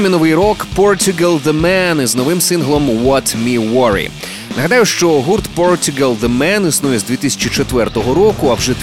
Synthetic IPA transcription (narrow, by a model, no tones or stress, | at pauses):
minɔʋɪjɾɔkpɔrt̪ʲʊɡɐlˠd̪emɛnznɔʋɪmsɪnɦlˠɔmwɔt̪mʲiwɔɾḭ | nɐɦɐd̪ɑjʊʃt͡ʃɔɦurt̪pɔrt̪ʲʊɡɐlˠd̪emɛnisnujɛzd̪ʋʲit̪ɪsʲɐ̥t͡ʃit͡ʃet̪ʋɛrt̪ɔɦɔɾɔkʊɐwʒɛ